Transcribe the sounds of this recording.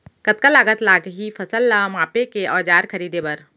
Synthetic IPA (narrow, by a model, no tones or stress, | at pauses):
kɐt̪̚kalaːɡət̪laːɡɦifʰɐsəlːamaːpekeʔɔːd͡ʒaːɾkʰɐɾiːd̪ebɐɾ